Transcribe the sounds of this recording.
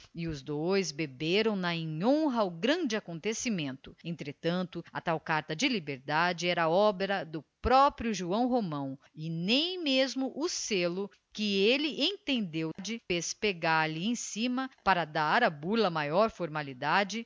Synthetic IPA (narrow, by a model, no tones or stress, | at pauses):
ɪʊzd̪ojzbebeɾɐ̃w̃nɐẽɲõɦɐʊɡɾɐ̃nd͡ʒɪakõnt̪esimẽnt̪ʊẽnt̪ɾet̪ɐ̃nt̪ʊɐt̪awkaɾt̪ɐd͡ʒɪlibeɾd̪ad͡ʒɪɛɾɐɔbeɾɐd̪ʊpɾɔpɾjʊʒuɐ̃w̃ɦomɐ̃w̃ | ɪnẽj̃mezmʊʔʊselʊ | kɪelɪʔẽt̪ẽnd̪ewd͡ʒɪfespeɡaɾlɪẽj̃ssĩmɐpaɾɐd̪aɾɐbulɐmajɔɾfoɾmalid̪ad͡ʒɪ